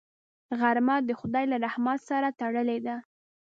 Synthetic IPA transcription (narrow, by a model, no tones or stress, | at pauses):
ɣaɾmad̪əxʊd̪ɑjlaɾahmɑsaɾat̪aɽəled̪a